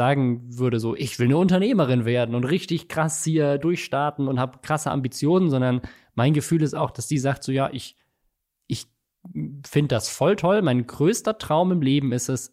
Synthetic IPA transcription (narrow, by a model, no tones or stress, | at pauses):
zaːɡŋ̩vʏɐɾəzoːʔɪçv̥ɪlnəʊntɐneːməʁ̞ɪnveːɐdn̩ʊntʁɪçtɪçkʁ̥ashiːɐdʊɐçʃtaɐtn̩ʊnthaːbəkʁ̥asəʔa̰mbit͡sjoːnənzɔndɐn | maɪnɡəfyːlɪstaʊxd̥asz̥iːzaːk̚tz̥oːjaːʔɪç | ʔɪç | fɪndəd̥asfɔltʰɔlmaɪnɡʁøːstɐtʁ̥aʊmɪmleːbm̩ɪstɛs